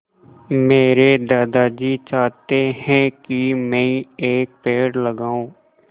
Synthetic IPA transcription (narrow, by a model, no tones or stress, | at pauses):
meːɾeːd̪aːd̪aːd͡ʒiːt͡ʃaːt̪eːhɛ̃ːkɪmɛ̃ĩeːk̚peːɽləɡãːõː